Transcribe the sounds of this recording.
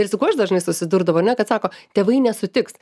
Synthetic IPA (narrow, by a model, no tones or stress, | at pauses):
ɪrsʲʊkuːɐʃd̪ɐʒnɐɪsʊsʲɪd̪uɾd̪ɐʋoːɐɾnʲɛkɐt̪sɑːkoːt̪ʲeːʋɐɪnʲɛsʊt̪ʲɪks